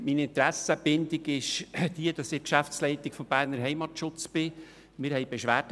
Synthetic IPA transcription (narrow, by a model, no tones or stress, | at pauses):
minɪnt̪ɾæsəb̥ɪnd̪ɪɡɪʃd̥iəd̥ɑsɪkʃæft͡slɛɪt̪ɪkfɔmb̥æːɾnəɾɦɛɪmɑtʃʊt͡sb̥ɪ | mɪɾhɛɪb̥eʃʋæːɾt